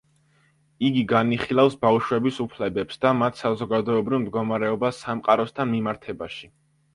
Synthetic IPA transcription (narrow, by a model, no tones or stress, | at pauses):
iɡiɡaniχilˠafsbawʃwɛbisupʰlɛbɛpsd̪̥amat̪ʰsazɔɡad̪ɔɛbɾivˠmd̪̚ɡɔmaɾɛɔbasːamqʼaɾɔst̪ʰanmimaɾt̪ʰɛbaʃi